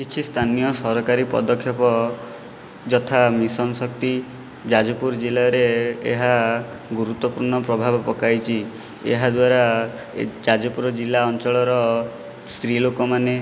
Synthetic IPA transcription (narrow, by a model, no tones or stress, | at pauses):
kit͡ʃʰist̪ʰanijɔsɔɾɔkaɾipɔ̰d̪ɔkʰːjɔpɔ | d͡ʒɔt̪ʰamisɔnsɔk̚t̪i | d͡ʒad͡ʒɔpuɾɔd͡ʒilaɾeeɦa | ɡuɾut̪wɔpuɾɳɔpɾɔbʱabɔpɔkajt͡ʃʰi | ḛɦad̪waɾa | d͡ʒad͡ʒɔpuɾɔd͡ʒilːaɔnt͡ʃɔɭɔɾɔ | sɾilokɔmane